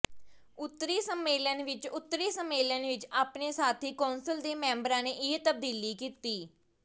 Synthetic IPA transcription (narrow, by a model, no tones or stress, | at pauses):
ʊt̪ːɾiːsəmːeːlənʋɪt͡ʃʊt̪ːɾiːsəmːeːlənʋɪt͡ʃaːpneːsaːt̪ʰiːkaːnsəld̪eːmɛ̃ːmbɾãːneːʔɪet̪əb̚d̪iːliːkiːt̪iː